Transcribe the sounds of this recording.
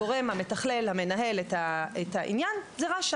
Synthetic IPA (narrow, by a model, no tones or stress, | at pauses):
oʁe̞mhame̞taχle̞lhame̞naɦe̞lethaethaʔḭnjanzeʁaʃ